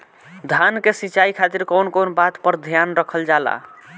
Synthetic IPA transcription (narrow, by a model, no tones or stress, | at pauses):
d̪ʱankesit͡ʃaikʰat̪iɾkɔwnkonbat̪pəɾd̪ʱjanɾəkʰəld͡ʒala̰